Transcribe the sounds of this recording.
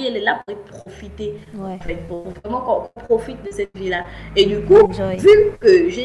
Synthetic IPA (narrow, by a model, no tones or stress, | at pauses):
iɛlɛlapuʁɛpχofit̪eɑ̃fɛt̪̚puʁuvʁɛmɑ̃kɔ̃kɔ̃pχɔfit̪̚d̪əsɛt̪vilaed̪ykuvykəʒe